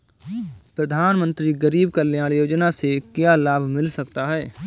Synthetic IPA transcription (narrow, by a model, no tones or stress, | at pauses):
pɾɐd̪ʱaːnmə̃nt̪ɾiɡəɾiːb̚kaljaːɽ̃joːd͡ʒnasekjalaːbʱmɪlsɐkt̪aɦɛː